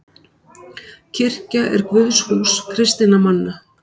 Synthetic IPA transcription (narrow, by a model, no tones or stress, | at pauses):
cʰɪr̥caʔɛ̰ɾkvʏðshuːskʰɾɪst̪ɪnamanːa